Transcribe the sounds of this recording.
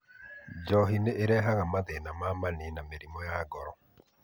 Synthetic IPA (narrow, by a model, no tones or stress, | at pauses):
d͡ʒɔɦineʔeɾɛːɦaɣamaðenamamanenameɾimɔjaɡɔɾɔ̰